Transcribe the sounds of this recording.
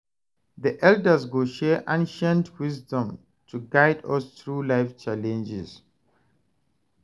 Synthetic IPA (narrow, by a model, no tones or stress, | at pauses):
ðiʔɛldəzɡoʃɛʔãnʃɛ̃ntʰwisdɔ̃m | tʰuɡaɪdɔst̪ɹulaɪft͡ʃalɛ̃nd͡ʒɪz